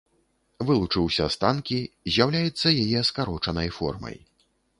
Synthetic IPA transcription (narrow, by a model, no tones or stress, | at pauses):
vɨlˠut͡ʂɨwsʲɐst̪ankʲi | zʲjawlʲajɛt̪sːɐjajɛskaɾɔt͡ʂɐnɐjfɔ̰rmɐ̰j